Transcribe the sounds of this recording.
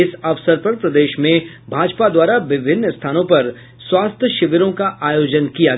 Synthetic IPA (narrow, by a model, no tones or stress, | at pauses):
ɪsɐʋsəɾpɐɾpɾɐd̪eːʃmẽbʱaːd͡ʒpad̪waːɾaʋɪbʱɪnːst̪ʰaːnõpɐɾ | swaːst̪ʰjəʃɪʋəɾõkaʔaːjoːd͡ʒənkija